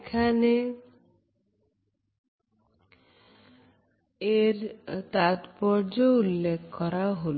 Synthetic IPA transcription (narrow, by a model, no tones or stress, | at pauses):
kʰane | eɾt̪at̪pɔɾd͡ʒoulːekʰkɔɾaɦol